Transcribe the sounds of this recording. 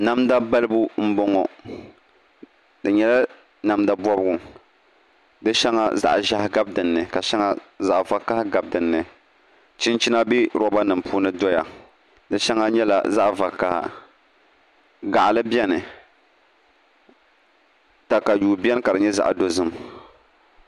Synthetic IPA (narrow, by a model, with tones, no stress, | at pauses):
na˦mda˦ba˦lɨ˦bu˦m̩˦bɔ˦ŋɔ˨ | dɨ˨ɲɛ˦la˦ | na˨mda˦bɔ˦bɨ˦ɡʊ˨ | dɨ˦ʃɛ˦ŋa̰˦za̰˦ʔʒa˦hɡa˦b̚dɨ˨nːɨ˨ka˨ʃa˦ŋa˦za˦˨ʔva˨ka˦hɡa˨b̚dɨ˨nːɨ˨ | t͡ʃi˦nt͡ʃi˦na˦bi˦ɾɔ˦ba˦nɨ˨mpuː˦nɨ˦dɔ˦ja˨ | dɨ˦ʃɛ˦ŋa˦ɲɛ˦la̰˨za˦ʔva˨ka˨ha̰˨ | ɡa˨ʔa˨lɨ˦bɛ˦nɨ˨ | ta˨ka˨juː˨bi˦ɛ˦n˦ka˨dɨ˨ɲɛ˦za̰˦ʔdo˦zɨ˦m